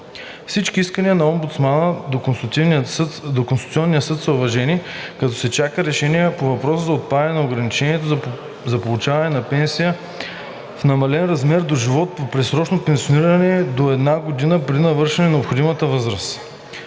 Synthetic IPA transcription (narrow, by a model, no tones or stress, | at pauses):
fsit͡ʃkiiskəniənɐɔmbut̪smanə | nokonst̪u̥t̪siɔnːijəsɤt̪sɐʊvɐʒɛnikɐt̪ɔsɛt͡ʃakəɾɛʃɛniɛpovɐpɾɔsəzɐot̪̚pad̪ɐnɛnɐoɡɾɐnit͡ʃɛniɛt̪o | zɐpolˠʊt͡ʃavɐnɛnɐpɛnsijə | fnɐmɐlɛnɾɐzmɛɾd̪oʒivɔt̪̚popɾɛsɾɔt͡ʃnopɛnsioniɾɐnɛd̪oɛd̪naɡod̪inəpɾɛɾd̪inɐvɤɾʃɛnɛnɛopxod̪imət̪əvɤzɾəs